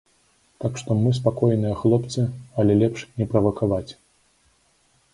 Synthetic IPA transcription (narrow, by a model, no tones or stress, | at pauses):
t̪akʂt̪ɔmɨs̬pakɔjnɨjɐxlˠɔpt̪sɨɐlʲɛlʲɛpʂnʲɛpɾɐvɐkavat͡sʲ